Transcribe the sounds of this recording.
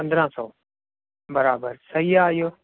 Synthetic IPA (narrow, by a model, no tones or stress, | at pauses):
pɐ̃nd̪ɾãːsɔː | bəɾaːbəɾsɐɦiːaːɦijoː